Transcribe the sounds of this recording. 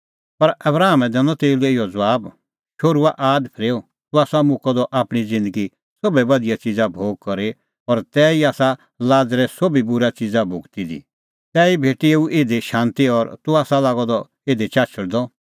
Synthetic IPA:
pɐɾɐbɾaːɦmɛ̃d̪ɛːnɔ̃t̪eːilɛɪjɔd͡zʋaːb | t͡ʃʰoːɾuaʔaːd̪pʰɪɾeːo | t̪uaːsamʊkɔd̪ɔʔaːpɽ̃id͡zɪ̃nd̪əɡi | sobɛbɐd̪ɪjat͡ʃɪd͡zabʱoːɡ̚kɔɾe | ɔɾt̪ɛːiaːsa | laːd͡zɾɛsobibʊɾat͡sɪd͡zabʱʊɡt̪id̪ḭ | t̪ɛːibʱeːʈieːuʔeːd̪eʃãːnt̪iɔɾt̪uaːsalaːɡɔd̪ɔ | eːd̪et͡ʃaːt͡ʃʰəɽd̪ɔ

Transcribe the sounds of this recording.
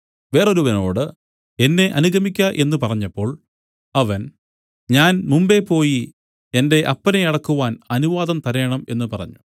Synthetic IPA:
ʋe̞ːro̞ɾuʋɐno̞ːɽɨ | e̞nːe̞ʔɐnuɡʱɐmikʲːɐʔe̞nːupɐrɐɲːɐpːo̞ːɭ | ɐʋɐn | ɲaːnmumbe̞pːo̞ːji | e̞nde̞ʔɐpːɐneɐɽɐkːuʋaːnɐnuʋaːðɐmt̪ɐɾeːɳɐme̞̰nːupɐrɐ̰ɲːu̥

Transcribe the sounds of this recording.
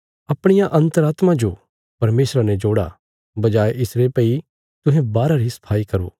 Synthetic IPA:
ɐpɽ̃ɪjãʔɐ̃nt̪əɾaːt̪mãd͡ʒo | pɐɾmeːsɾanɛd͡ʒoːɽa̰ | bɐd͡ʒaːeʔɪsɾepɛi | t̪ʊ̃ɦẽbaːɾaɾisɐ̥pʰaːikɐɾo̰ː

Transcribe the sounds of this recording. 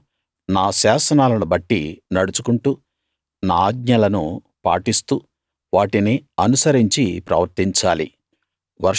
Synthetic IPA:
naːʃaːsɐnaːlɐnubɐʈːḭnɐɽut͡ʃukuɳʈuː | naːaːɡɲɐlɐnu | pa̰ːʈist̪uː | ʋaːʈiniɐnusɐɾiɲt͡ʃipɾɐ̰ʋɐɾt̪iɲt͡ʃaːlḭ | ʋɐɾ

